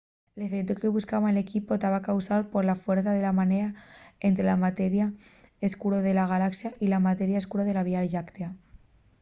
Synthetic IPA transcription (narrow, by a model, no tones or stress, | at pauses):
lefekt̪ukeβuskaβanlekipot̪aβakawsaɾpoɾlafweɾθaðelamaneɾaent̪ɾelamat̪eɾjaeskuɾoðelaɣ̞alaksjaʔilamat̪eɾjaeskuɾoðelaβialʒakt̪ea